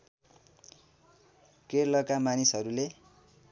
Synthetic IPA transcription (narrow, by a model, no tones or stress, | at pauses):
kerlʌkamanisɦʌɾule